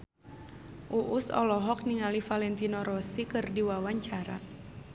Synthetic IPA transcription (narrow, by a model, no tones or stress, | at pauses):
ʔuʔusɔ̰lɔɦɔk̚niŋalifalɛnt̪inɔɾɔsikɨrdiwawaɲt͡ʃaɾa̰